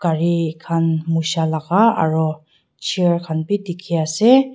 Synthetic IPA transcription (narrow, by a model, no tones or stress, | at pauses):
ɡ̥aɹikʰanmusalaɡaa̰ɹu | t͡ʃʰiaɹkʰanpidikʰiasɛ